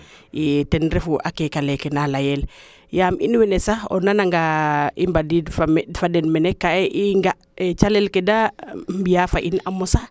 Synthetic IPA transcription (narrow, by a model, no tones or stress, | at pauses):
itɛnɾefuʔa̰kekalɛkɛnalajɛl | jamḭnwɛnɛsaɔ̰nanaŋɡaimbadifafadɛnmɛnɛkːaɛʔiŋɡa | et͡ʃalɛlkedambijafaʔinamɔsa